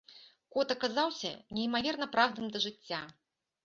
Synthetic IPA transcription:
kɔt̪ɐkazawsʲɐ̰nʲɛimavʲɛrnɐpɾawd̪ɨmd̪ɐʐɨt͡sʲːa

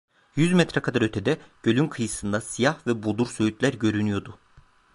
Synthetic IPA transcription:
jyzmɛt̪ɾɛkʰad̪aɾø̞t̪ʰɛd̪ɛɟ̥ø̞lʲymkʰɯjɯsɯnd̪asijahvɛbod̪uɾsøjyt̪lʲæɾɟø̞ɾynyjo̞d̪ʊ

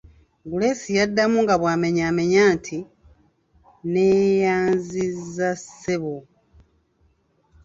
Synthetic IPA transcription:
ɡule̞sijadːamuŋɡaβwaːme̞ɲame̞ɲaːntʰi | neːjaːnzizːasːeβo

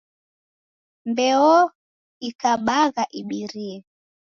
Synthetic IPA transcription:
mbɛɔ | ikaɓaɣaʔiɓiɾiɛ

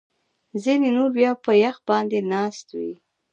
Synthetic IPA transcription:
zinenuɾbjɑpəjaxbɑnd̪enɑst̪wi

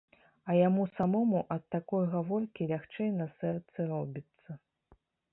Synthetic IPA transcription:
ɐjamusamɔmuʔɐt̪ːakɔjɣavɔrkʲilʲaxt͡ʂɛjnɐsɛrt̪sɨɾɔbʲit̪sːɐ

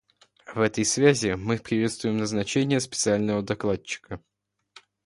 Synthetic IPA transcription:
vɛt̪əjsvʲæzʲɪmɨpɾʲɪvʲe̞t̪st̪vʊjɪmnəznɐt͡ɕenʲɪjəspʲɪ̥t̪sɨalʲnəvəd̪ɐklˠat͡ɕːɪ̥kə

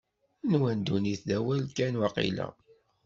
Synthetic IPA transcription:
nwænd̪uniθðæwælkænwɑqḭlæ̰

